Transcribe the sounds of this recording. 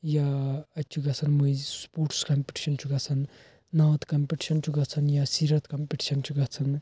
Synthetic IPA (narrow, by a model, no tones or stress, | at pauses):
jaɐt͡ʃʰuɡɐt͡sʰɐnmujspoʈskɐmpiʈi̥ʃɐnt͡ʃʰuɡɐt͡sʰɐn | nɐʋt̪kɐmpiʈi̥ʃɐnt͡ʃʰuɡɐt͡sʰɐnjasiɾɐt̪kɐmpiʈi̥ʃɐnt͡ʃʰuɡɐt͡sʰɐn